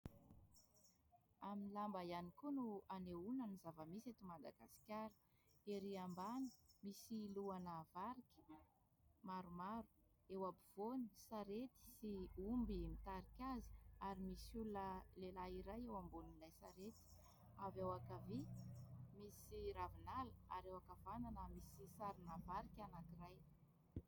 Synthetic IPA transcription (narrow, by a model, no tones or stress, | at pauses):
aminilambajanikunuaneunənizavəmiset̪umad̪aɡa̰si̥kʲaɾi̥ | eɾiambanə̥misiluanəvaɾikʲi̥ | maɾumaɾu̥ | ewabiv̥onisaɾet̪i̥siumbimit̪aɾikʲazi̥aɾimisulunəlelaiɾajewambulinlajsaɾet̪i̥ | avewakavi | misiɾavinaləaɾewakavananəmisisaɾinavaɾikʲanakiraj